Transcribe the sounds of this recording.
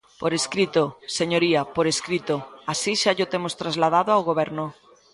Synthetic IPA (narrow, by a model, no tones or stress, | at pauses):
poɾeskɾit̪oseɲoɾiapoɾeskɾit̪oasiʃaʎot̪emost̪ɾazlað̞aðoawɣoβ̞ɛɾnʊ